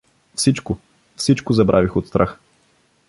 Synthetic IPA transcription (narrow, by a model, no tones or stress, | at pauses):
fsit͡ʃkʊ | fsit͡ʃkʊzɐbɾʔavixot̪st̪ɾʔax